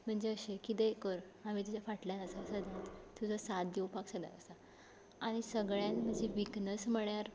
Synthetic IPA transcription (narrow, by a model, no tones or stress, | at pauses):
m̤əɳd͡zeəɕekit̪ekəɾ | am̤it̪ud͡ʑafaʈljãnəsasəd̪ʱjãtt̪ud͡zəsat̪̚d̪iwpaksəd̪a̰ə̰sa | aɽ̃isəɡɭjãnm̤əɳd͡ʑeʋiknəsm̤əɳjaɾ